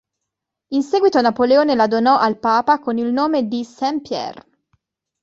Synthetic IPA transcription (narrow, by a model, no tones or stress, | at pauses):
insɛːɡwit̪onapoleoːnelad̪onɔʔalpaːpakonilnoːmed̪isɛmpjɛ̰r